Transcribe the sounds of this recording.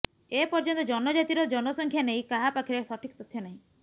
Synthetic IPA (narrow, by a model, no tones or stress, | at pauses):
epɔɾd͡ʒɔnt̪ɔd͡ʒɔnɔd͡ʒat̪iɾɔd͡ʒɔnɔsɔŋkʰjaneĩkaɦapakʰiɾesɔʈʰikɔt̪ɔt̪ʰijɔnaɦĩ